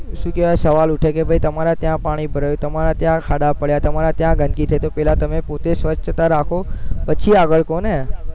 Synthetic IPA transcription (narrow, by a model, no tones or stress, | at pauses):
ʃũːkjeʋsəʋalʊʈʰekebʱəit̪əmaɾat̪jãpaɽ̃ibʱəɾajũt̪əmaɾat̪jãkʰaɗapəɭjat̪əmaɾat̪jãɡʱənkit̪ʰəet̪opɛɦlat̪əmẽpot̪esʋət͡ʃt̪aɾakʰopət͡ʃʰiaɡəɭkone